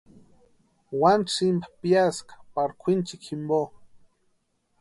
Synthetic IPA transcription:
wanʈ͡ʂimbapjaskḁpaɾkʷʰint͡ʃikʰimbo

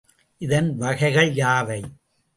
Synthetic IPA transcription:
ʔɪðɐnʋɐɣɐɪɣɐɭjaːʋɐɪ

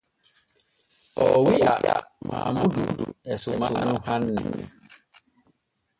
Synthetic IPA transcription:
ɔwia̰ma̰mɔduɛsʊmaʊnʊ̃han̩nɪ̰

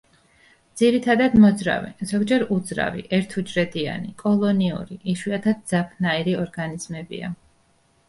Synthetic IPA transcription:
d̪z̥iɾit̪ʰad̪ad̪mɔd̪zɾa̰vɛ̰zɔɡd͡ʒɛɾud̪zɾa̰vḭʔɛɾt̪ʰud͡ʒɾɛd̪ia̰nikʼɔlˠɔniṵɾiʔiʃwiat̪ʰad̪̚d̪zapʰnaiɾiɔɾɡaniz̥mɛbḭa̰

